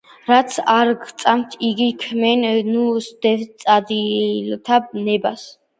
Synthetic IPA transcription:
ɾat̪sʰaɾɡt̪sʼamt̪ʰiɡikʰmɛnnusd̪̥ɛt̪sʼad̪ilt̪ʰanɛbas

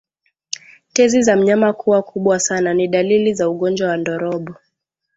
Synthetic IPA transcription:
tɛzizam̩ɲamakuwakuɓwasananiɗalilizauɠɔnd͡ʒwawandɔɾɔɓɔ

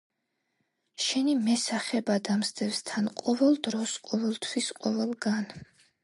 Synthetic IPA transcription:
ʃɛnimɛsaχɛbad̪amsd̪ɛvst̪ʰanqʼɔvɛlˠd̪ɾɔsqʼɔvɛlˠt̪ʰwisqʼɔvɛlˠɡan

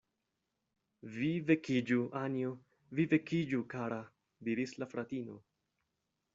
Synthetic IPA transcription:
vive̞kid͡ʒuʔanio | vive̞kʰid͡ʒukaɾa | diɾislafɾat̪ino̞̰

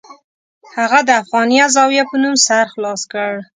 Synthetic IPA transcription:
haɣad̪əafɣɑnijɑzɑwjapənumsaɾxlɑskəɽ

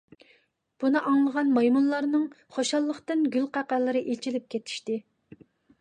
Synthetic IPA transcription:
b̥unɨʔɑŋlˠəʁɑnmɑjmunlˠɑɾnɨŋ | χoʃɑlˠːəχt̪ɨnɡʲylqæqælˠːɨɾɨʔet͡ʃʰilɪp̚kʲʰet̪ʰi̥ʃt̪ɪ

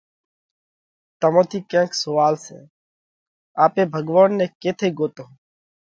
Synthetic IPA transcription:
t̪əmõːt̪ʰiːkẽːksʊʋaːlsḛ̃ː | aːpẽːbʱəɡʋaːnːeːkeːt̪ʰeːɡoːt̪õː

